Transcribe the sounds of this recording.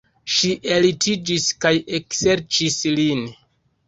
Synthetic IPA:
ʃiʔe̞litid͡ʒiskajekse̞ɾt͡ʃislin

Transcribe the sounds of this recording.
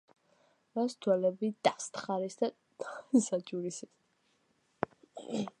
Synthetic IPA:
mast̪ʰwɛlɛbid̪ʼast̪ʰχaɾisd̪a | sat͡ʃʼuɾisi

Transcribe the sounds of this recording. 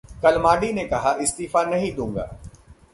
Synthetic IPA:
kɐlmaːɖinekɐɦaʔɪst̪iːfanɐɦĩɗ̪ũːŋɡa̰ː

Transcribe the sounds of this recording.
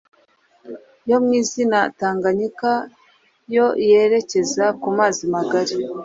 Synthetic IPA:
jo̞mŋiːzinataːŋɡaɲika | jo̞je̞ɾe̞ce̞zakumaːzimaɡaɾe

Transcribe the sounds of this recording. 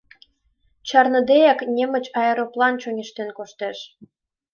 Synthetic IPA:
t͡ɕɑrnɤ̆d̪ejɑknʲemə̆t͡ɕɑjəɾoplɑnt͡ɕonʲeʃt̪enkoʃt̪eʃ

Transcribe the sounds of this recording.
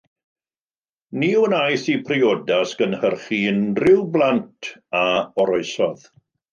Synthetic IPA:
niːunajθipʰriɔdasɡənhərχinrɪwblˠantʰaɔɾɔɨsɔð

